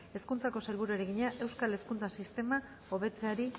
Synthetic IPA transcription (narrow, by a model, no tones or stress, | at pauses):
e̞skunt͡sako̞salβuɾueɾeɣiɲaʔe̞wskale̞skunt͡sasist̪e̞ma | o̞βe̞t͡se̞aɾi